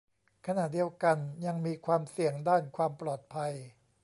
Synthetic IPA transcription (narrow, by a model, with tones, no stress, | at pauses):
kʰa˧na˨˩ʔ̚di˧əwka˧nja˧ŋmiː˧kʰwaː˧msi˨˩əŋdaː˥˩nkʰwaː˧mplɔː˨˩t̪̚pʰa˧j